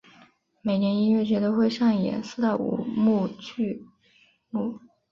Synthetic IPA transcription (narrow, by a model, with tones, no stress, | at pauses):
me˨˩ɪnjɛ˧˥ni˥nɥɛ˥˩t͡ɕɥɛ˧˥d̪ə˧xwe˥˧ɪʂɑ˥˩ŋjɛ̰˨˩˦nsɹ̩˥˧t̪a˥˩ṵ˨˩mu˥˧t͡ɕʰy˥˧ | lu˥˩